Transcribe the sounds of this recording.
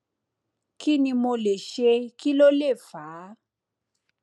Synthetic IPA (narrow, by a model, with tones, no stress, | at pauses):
ki˦nĩ˧mo˧le˨ʃe˧ki˦lo˦le˦˨faː˨˦